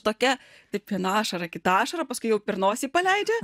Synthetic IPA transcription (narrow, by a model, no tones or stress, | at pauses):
t̪oːkʲɛ | t̪ɐɪpʋʲiɛnɑːʃɐɾɐkʲɪt̪ɑɑːʃɐɾɐpɐskʊɪjɛʊpʲɪɾnoːsʲiːpɐlʲɛɪd͡ʒʲɛ